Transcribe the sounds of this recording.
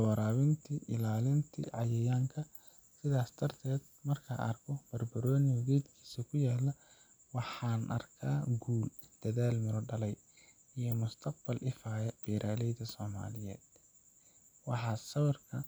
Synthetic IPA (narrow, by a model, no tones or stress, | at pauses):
wɑɾaːwɪnt̪ʰiʔɪlaːlɪnt̪ʰḭʕɑjɛjaːŋkʰɐ | sɪðaːst̪ʰɐrt̪ʰɛːd̪mɐrkʰɐ̰ʔɐ̰rkʰɔb̥ɐrbɐɾɔːnɪɔɡɛjd̪kʰi̥ːsɐkʰʊjaːlɐ | wɑħɑːnʔɐ̰rkʰaːɡuːld̪̥ɐðaːlmɪɾɔɖɐlɛj | ijɔmʊst̪ʰɐq̚b̥ɐlʔɪfaːjɛb̥ɛːɾʔaːlɛjðɐsɔːma̰ːlɪjɛ̰ːd̪ | wɑħɑːsɐwɐrkʰɐ